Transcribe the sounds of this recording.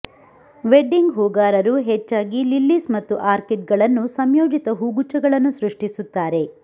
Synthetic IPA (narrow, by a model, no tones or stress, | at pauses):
ʋeɖiŋɡɦoːɡaːɾɐɾuɦet͡ʃːaːɡililːismɐt̪ːuʔaːɾkeʈ̚ɡɐɭɐnːusɐmjoːd͡ʒit̪ɐɦuːɡut͡ʃɐɡɐɭɐnːusɾuʂʈisut̪ːaːɾe̞